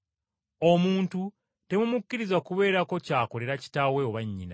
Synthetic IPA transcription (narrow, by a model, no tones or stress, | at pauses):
o̞muːntu | te̞mumukːiɾizakuβe̞ːɾako̞caːko̞le̞ɾaci̥tawe̞o̞βaɲːḭna̰